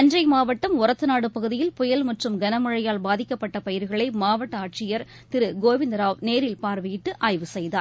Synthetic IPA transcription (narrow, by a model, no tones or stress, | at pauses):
ɐnd͡ʒrɐɪmaːʋɐʈːɐmʊɾɐt̪ːɯnaːɽɯpɐɣɯðɪjɪlpɔjɐlmɐʈrɯmɡɐnɐmɯɻɐjaːlbaːðɪkːɐpːɐʈːɐpɐjɪɾɣɐɭɐɪmaːʋɐʈːɐaːʈ̚t͡ʃɪjɐɾ | t̪ɪɾɯɡoːʋɪnd̪ɐɾaːʋneːɾɪlpaːɾʋɪjɪʈːɯʔaːjʋɯsɛjðaː